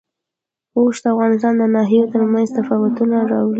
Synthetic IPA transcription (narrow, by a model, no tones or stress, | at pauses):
oʃd̪əavɣɑnɪst̪ɑnd̪ənɑɦijot̪əɾmanzt̪afɑwʊt̪unaɾɑwli